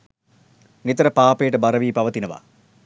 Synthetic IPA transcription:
nit̪ɾɐpaːpeːʈɐbɐɾɐʋiːpɐʋɐt̪inɐʋa̰

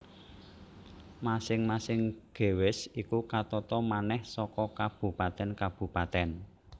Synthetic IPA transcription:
masɪŋmasɪŋɡ̥e̤wɪsikukat̪ɔt̪ɔmanɛhsɔkɔkab̥ṳpat̪ɛnkab̥ṳpat̪ɛn

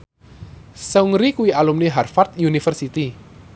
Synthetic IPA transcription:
səuŋɾikuwialumniɦarfat̪̚junifərsit̪i

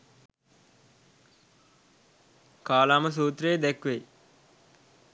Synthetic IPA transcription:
kaːlaːməs̬uːt̪ɾeːd̪ɛkʋe

